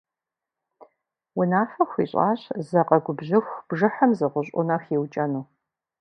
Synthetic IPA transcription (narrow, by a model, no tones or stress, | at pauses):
wʊnaːfɐxʷḭːɕʼa̰ːɕzɐqɐɡʷʊbʑɪxʷb̥ʒɨħɐmzɨʁʷʊɕʼʊnɐχiwt͡ʃʼɐnuː